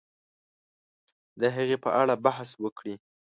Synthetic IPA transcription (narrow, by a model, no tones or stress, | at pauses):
d̪əɦəɣepəʔaɽabahswəkɽi